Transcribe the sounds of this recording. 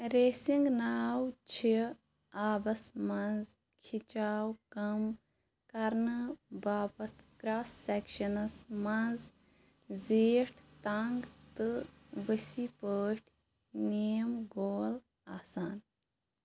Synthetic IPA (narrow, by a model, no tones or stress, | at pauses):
ɾeːsiŋɡnaːwt͡ʃʰi | aːbɐsmɐnz | kʰit͡ʃaːwkɐm | kɐɾnɨbaːpɐt̪ʰkɾaːsːɛkʃɐnɐsmɐnz | zeːʈʰt̪ɐŋɡt̪ɨʋəsipəːʈʰʲ | niːjɐmɡoːl | aːsaːn